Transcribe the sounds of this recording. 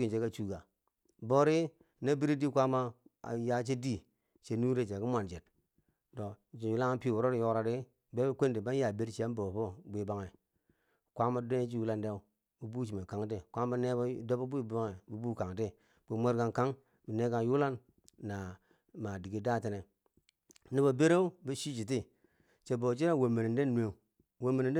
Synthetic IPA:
i˨nt͡ʃe˨˦ka˦t͡ʃu˦ɡa˨ | bo˦ɾi˦ | na˦bi˦ɾi˦di˦kʷa˦ma̰˦˨ja˦t͡ʃe˦di˦ | t͡ʃe˨nu˦ɾe˦˨t͡ʃe˨ki˦mʷ˦a˨nd͡ʒe˨t | to˨t͡ʃi˨ju˦la˦ŋa˦pi˦˨wu˨ɾo˦ɾi˦jo˦kɾa˨ɾi˦ | be˦bkʷe˦ndi˨ba˦n˦ja˨be˦ɾt͡ʃi˦a˦n˦bo˨po˦bʷi˦ba˨ŋe˨ | kʷa˦ma˦de˦t͡ʃi˦ju˦la˦nde˦u˦ | bu˨bu˦t͡ʃi˨me˨ka˨ŋti˦kʷa˦m˦ba˦ne˦ba˦do˦bo˦bu˦ba˦ŋe˨bu˨bu˦ka˨ŋ˨ti˦ | b̥u˨mʷe˦ɾɡa˨nka˦ŋ | bi˨ne˦ka˨ju˦la˦nː | a˨ | ma˨di˨ɡi˨da˦˨te˨ne˨ | ni˦bo˨be˦ɾe˦u˦bi˦ʃi˦t͡ʃi˨t̬i˦ | t͡ʃe˨bo˨t͡ʃi˦ɾe˦˨we˨me˨ne˨nde˦nwe˨u˨ | we˨mːe˨ni˨˦

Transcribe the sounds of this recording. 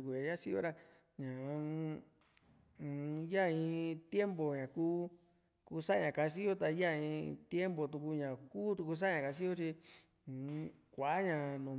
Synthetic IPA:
u˧ku˨jã˨ja˦si˦jo̰˧ɾa˧ | ɲã˨˧˨ | ja˦˧ĩ˧t̪je˦mbo˨ɲã˨kuː˦ | ku˧sa˦˧ɲã˨ka˧s̬i˦jo˦t̪a˧˦ja˦˨ĩ˧t̪je˦mbo˨t̪u˧ku˧ɲã˨kuː˦t̪u˧ku˧s̬a˦ɲã˨ka˧s̬i˦jo˦t͡ʃĩ˧˨˧ | kʷa˨˦ɲã˨nũ˨

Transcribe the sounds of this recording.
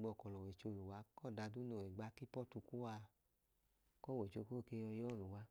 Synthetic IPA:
ɡ͡bɔ˧˨kɔ˨lɔ˨we˨t͡ʃo˧˨lu˨wa˨˦kɔ˦˨da˧du˦no˨wɛ˨ɡ͡ba˨˧˦ki˦pɔ˦tu˧ku˦a˧ | kɔ˦˨we˨t͡ʃo˧ko˦˨ke˧˦jɔ˧jɔ˦˨lu˨wa˧˦

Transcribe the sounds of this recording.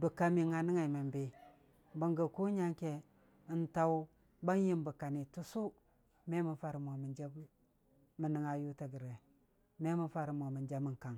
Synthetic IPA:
bu˨ka˨mi˨ŋa˨ni˦ŋa˨i˨ma˨mbe˨ | ba˨ŋɡə˨ku˦ɲa˦ŋke˨ | i˨nta˦wu˦ | ba˦ŋji˦mbu˨ka˨ni˨tu˦su˦ | me˦mi˨fa˨ɾi˨m˨o˨mi˨nd͡ʒa˦b | mi˨ni˨ŋa˨ju˦ta˨ɡi˨ɾe˨ | me˦mi˦fa˦ɾi˨m˨o˨mi˨nd͡ʒa˦mi˦ŋka˨ŋ

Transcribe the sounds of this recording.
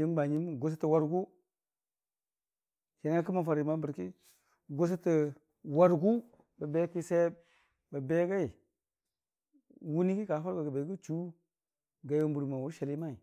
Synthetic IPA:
i˦m˦ba˨ɲi˦mɡo˦s̬a˦ti˨wa˨ɾɡu˦ | ʃa˨n˦a˦ki˦ma˨fa˨ɾi˨ma˦bə˨ɾki˦ | ɡo˦s̬a˦ti˨ | wa˨ɾɡu˦ | ba˨be˦pi˦se˦ | ba˨be˦ɡa˦i˨ | wu˦ni˦ki˦ka˨˦fa˦ɾba˨ɡa˨be˨˦ɡu˦t͡ʃu˦ | ɡa˨jo˦m˦bu˨ɾma˨wu˦ʃa˨li˦ma˦i˨

